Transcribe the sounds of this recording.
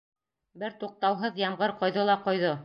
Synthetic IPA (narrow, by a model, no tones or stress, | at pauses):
bɘɾt̪uq̚t̪ɑwɦɤðjɑmʁɤɾqŏjðɤlˠɑqŏjðo